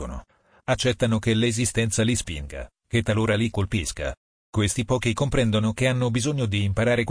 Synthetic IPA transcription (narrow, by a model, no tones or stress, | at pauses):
ono̰ | at͡ʃːɛt̪ːanokelezist̪ɛnt̪salispḭŋɡa̰ | ket̪ːaloːɾalikolpiska̰ | kwest̪ipɔːkikompɾɛnd̪onokeanːobizoɲːod̪iːmpaɾaːɾek